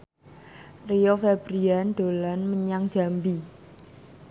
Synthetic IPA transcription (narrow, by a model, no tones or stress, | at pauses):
rijɔfebɾianɖ̪̥o̤lanməɲaŋd̥d͡ʒ̥a̤mbi